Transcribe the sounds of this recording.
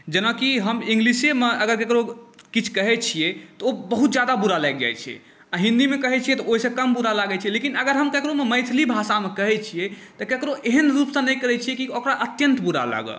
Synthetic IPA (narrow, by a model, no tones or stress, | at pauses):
d͡ʒənakiɦəmĩŋɡlisemeəɡəɾkekɾokit͡ʃʰkəɦɛt͡ʃʰijɛt̪ɔobəɦut̪̚d͡ʒjad̪abuɾalɛɡ̚d͡ʒa̰jt͡ʃʰɛ̰ | aɦĩnd̪imekəɦɛt͡ʃʰijɛt̪ɔoɦisə̃kəmbuɾalaɡɛt͡ʃʰiɛlekinəɡəɾɦəmkekɾomeməjt̪ʰlibʱasamekəɦɛt͡ʃʰijɛ | t̪ɔkekɾoʔeɦənɾupsə̃nɛjkəɾɛt͡ʃʰijɛkiokɾaʔət̪jənt̪buɾa̰la̰ɡə̰